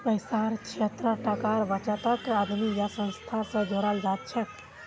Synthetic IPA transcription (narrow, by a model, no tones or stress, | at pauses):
pəɪsaɾkʰet̪ɾəʈakaɾʋat͡ʃat̪əkad̪mijasə̃nst̪ʰasẽd͡ʒoɾald͡ʒat̪t͡ʃʰɛk